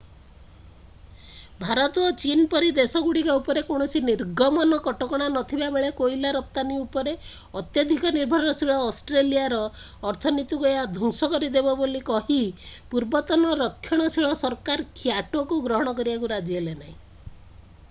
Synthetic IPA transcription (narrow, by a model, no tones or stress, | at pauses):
bʱaɾɔt̪ɔt͡ʃinpɔɾid̪esɔɡuɽikɔupɔɾekoɽ̃ɔsiniɾɡɔmɔnɔkɔʈɔkɔɽ̃anɔt̪ʰibabeɭekoilaɾɔp̚t̪aniupɔɾe | ɔt̪jɔd̪ʱikɔniɾbʱɔɾɔɔsiɭɔːsʈɾeliaɾɔː | ɾt̪ʰɔnit̪ukɔjad̪ʱuŋsɔkɔɾid̪ebɔbolikɔɦipuɾbɔt̪ɔnɔɾɔkʰːjɔɽ̃ɔsiɭɔsɔɾkaɾkʰjaʈokuɡɾɔɦɔɽ̃ɔkɔɾibakuɾad͡ʒielenaɦĩ